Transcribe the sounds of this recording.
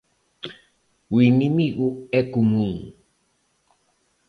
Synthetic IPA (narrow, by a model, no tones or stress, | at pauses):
winimiɣuɛkumuŋ